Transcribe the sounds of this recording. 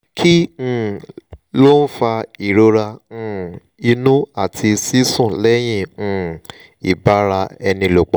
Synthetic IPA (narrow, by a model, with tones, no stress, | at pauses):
kʰĩ˦˨ | lo˦n̩˦fa˧i˨ɾo˧ɾã˧˨ | i˧nũ˦a˦˨tʰi˧si˦sũ˦˨lɛ˦j̃ĩ˦˨ñ̩˨ | i˨ba˨˦ɾa˧ɛ˧nĩ˧lo˨k͡pɔ˨